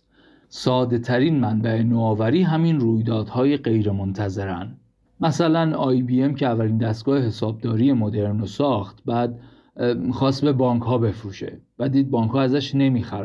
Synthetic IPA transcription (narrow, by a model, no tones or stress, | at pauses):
sɒːd̪e̞t̪ʰæɾiːnmænbæe̞noːvæɾiːɦæminruːjd̪ɒːd̪̥hɒːjeɢe̞jɾe̞mont̪ʰæze̞ɾæn | mæsælænɒːjbiemcʰeævːæliːnd̪æst̪ɡ̥ɒːhehe̞sɒːb̚d̪ɒːɾije̞mo̞d̪e̞ɾnosɒːxt̪bæːd̪ | xɒːst̪be̞bɒːŋkʰhɒːbe̞fɾuːʃḛvæd̪iːd̪̚bɒːŋkʰhɒːæzæʃne̞miːxæɾæ